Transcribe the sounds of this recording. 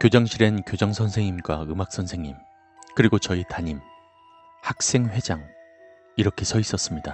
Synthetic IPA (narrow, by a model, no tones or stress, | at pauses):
kjod͡ʑʌŋɕʰiɾenkjod͡ʑʌŋsʰʌnsʰe̞ŋimɡwaɯmak̚s͈ʌnsʰe̞ŋim | kɯɾiɡot͡ɕʌitaɲim | hak̚s͈e̞ŋɸwe̞d͡ʑaŋ | iɾʌkʰe̞sʰʌis͈ʌs͈ɯmɲida